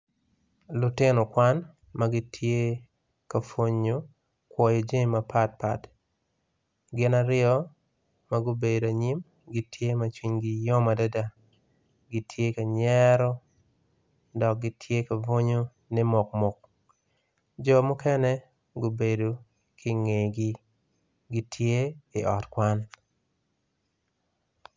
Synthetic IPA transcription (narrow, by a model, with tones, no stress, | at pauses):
lʊ˨tɪ˦nɔ˨kwa˦n | maɡɪ˦tʰje˦ | ka˨fo˨ɲo˦ | kwɔ˨jɔ˨d͡ʒe˦mːapʰa˦t̚pa̰˨t | ɡɪ˨naɾɪɔ˦ | ma˨ɡo˦be˨do˨a˨ɲi˦m | ɡɪ˨tʰje˦ma˨t͡ʃwi˨ɲɡɪ˨jɔ˦ma˨da˦da˦ | ɡɪ˨˦tʰje˦ka˨ɲɛ˦ɾɔ˦ | dɔ˨k̚ɡɪ˦tʰje˦ka˨vo˦ɲo˦ | nɪ˦mʊ˨kmʊ˨k̚ | d͡ʒɔ˦˨mʊ˦kɛ˦nɛ˦ | ɡo˦be˨do˨ | kʰɪ˦ŋe˨ɡɪ˦ | ɡi˦tʰje˦ɪ˨ʔɔ˨tkwa˦n